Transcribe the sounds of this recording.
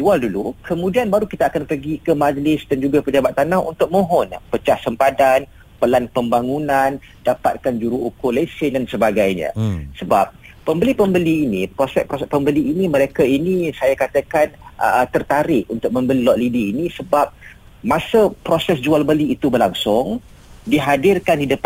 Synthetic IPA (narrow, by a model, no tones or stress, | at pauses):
d͡ʒualdulukʰəmũdianbaɾukit̪aːkanpərɡikəmad͡ʒlɪsdand͡ʒuɡapəd͡ʒabat̪ːanahṵnt̪ʊk̚mõɦɔnpət͡ʃahsəmpadan | pəlanpəmbaŋunãn | dapat̪̚kand͡ʒuɾuukʊlesɪndansəbaɡajɲã̰səba̰p̚ː | əmbəlipəmbəliːnipɾosɛʔpospəmbəliinimə̃ɾekainisajakat̪əkant̪ərt̪aɾɪʔunt̪ʊk̚mə̃mbəlilɔʔlidiːnisəbap̚ | mãsəpɾosɛsd͡ʒualbəliːt̪ubərlaŋsʊŋ | diɦadɪrkandidəp